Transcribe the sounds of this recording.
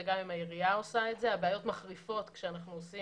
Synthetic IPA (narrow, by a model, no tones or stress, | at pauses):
eɡamimaiʁijao̞saetze̞abeajo̞tmaχʁifo̞tkʃeanaχnuosi